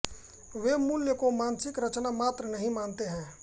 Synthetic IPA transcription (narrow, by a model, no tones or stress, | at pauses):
ʋemʊljəkomaːnsɪkɾət͡ʃnamaːt̪ɾənəɦĩmaːnt̪eɦɛ̃ː